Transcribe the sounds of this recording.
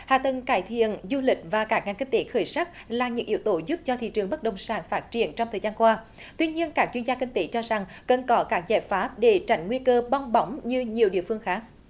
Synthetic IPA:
haː˨˩t̪ə˨˩nkaː˧˩jt̪ʰḭ˧˨ənzu˧lï˨˩k̟̚vaː˨˩kaː˦˥k̚ŋa˨˩ŋkï˧ŋ̟t̪e˧˨˦xəː˧˩jsa˦˥k̚laː˨˩ɲɨ̰˧˥ŋʔi˧˩əwt̪o˧˨˦zu˦˥p̚t͡ɕɔ˧t̪ʰḭ˧˨t͡ɕɨ˨˩əŋɓə˦˥t̚ɗə˨˩wŋ͡msaː˧˩nfaː˦˥t̚t͡ɕi˧˩˨ənt͡ɕɔ˧wŋ͡mt̪ʰəː˨˩jzaː˧nkwaː˧ | t̪wi˧ɲi˧ənkaː˦˥k̚t͡ɕwi˧ənzaː˧kï˧ŋ̟t̪e˧˦t͡ɕɔ˧za˨˩ŋkə˧˩nkɔ˨˦kaː˦˥k̚zaː˧˩jfaː˦˥p̚ɗe˧˩˦t͡ɕa˧˩jŋ̟ŋwi˧kəː˧ɓa˧wŋ͡mɓɔ˨˦wŋ͡mɲɨ˧ɲi˨˩əwɗḭ˧˨əfɨ˧əŋxaː˦˥k̚

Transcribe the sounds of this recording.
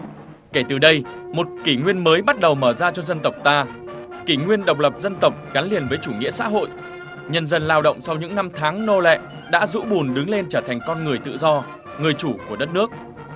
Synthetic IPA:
ke˧˩t̪ɨ˨˩ɗə˧jmo˨˩t̚ki˧˩ŋwi˧ənməː˨˦jɓa˦˥t̚ɗə˨˩wməː˧˩zaː˧t͡ɕɔ˧zə˧nt̪ə˨˩wk͡p̚t̪aː˧ | ki˧˩ŋwi˧ənɗə˨˩wk͡p̚lə˨˩p̚zə˧nt̪ə˨˩wk͡p̚ɣa˨˦nli˨˩ənvəː˨˦jt͡ɕu˧˩ŋḭ˧˥əsa̰ː˧˥ɦo̰˧˨jʔ | ɲə˧nzə˧nlaː˧wɗə̰˧˨wŋ͡msa˧wɲɨ̰˧˥ŋna˧mt̪ʰaː˨˦ŋno˧lɛ̰˧˨ | ɗa̰ː˧˥zṵ˧˥ɓu˨˩nɗɨ˨˦ŋle˧nt͡ɕəː˧˩t̪ʰa˨˩jŋ̟kɔ˧nŋɨ˨˩əjt̪ɨ̰˧˨zɔ˧ | ŋɨ˨˩əjt͡ɕu˧˩ku˧˩əɗt̚nɨ˦˥ək̚

